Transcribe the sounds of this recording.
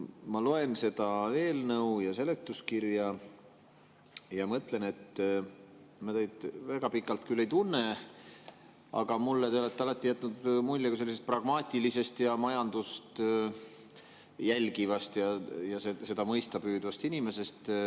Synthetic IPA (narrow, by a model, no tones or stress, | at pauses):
mɑlo̞e̞nse̞d̪̥ɑve̞ːlnɤujɑse̞le̞kt̪ːˑuskirjɑ | jɑmɤt̪ˑle̞ne̞t̪ː | mɑt̪ejd̪væɡ̥ɑpikˑːɑlt̪kylːe̞jt̪unːe | ɑ̰ɡ̥ɑmulːet̪e̞ole̞t̪ːeɑlɑt̪ːˑijæt̪ːˑnud̪mulʲːekuselːisest̪̚prɑɡ̥mɑːt̪ʲilise̞st̪jɑmɑjɑnd̪̥ust̪ | jælʲɡivɑst̪jɑjɑsese̞d̪ɑmɤjst̪ɑpyːd̪vɑst̪inime̞se̞st̪